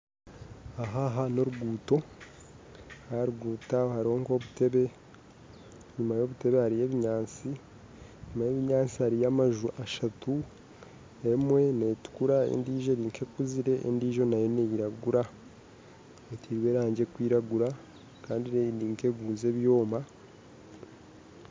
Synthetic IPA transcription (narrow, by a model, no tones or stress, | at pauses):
aɦaɦano̞ɾuɡuːto̞ | haɾuɡuːtahaɾiho̞ŋko̞βute̞βe̞ | ɲumajo̞βute̞βe̞haɾije̞βiɲaːnt͡si | ɲumajeβiɲaːnt͡sihaɾijamaʒuʔaʃatu | e̞mwe̞ne̞tu̥kuɾaḛndiːʒoniːŋkʰe̞kuziɾe̞ḛndiːʒo̞najonejiɾaɡuɾa | etʰiːɾwe̞ːɾaːɲɟe̞kwiːɾaɡuɾa | kaːndineindiːŋkeɡuːze̞βjo̞ːma